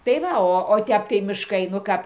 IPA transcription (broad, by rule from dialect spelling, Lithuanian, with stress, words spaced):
tɐɪ ˈʋɐ ˈoː oː ˈtʲɛp tɐɪ mʲɪʃˈkɐɪ nʊ ˈkɐp